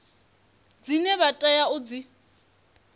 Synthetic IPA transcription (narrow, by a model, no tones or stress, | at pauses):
d͡zinɛβatʼɛjaʊd͡zi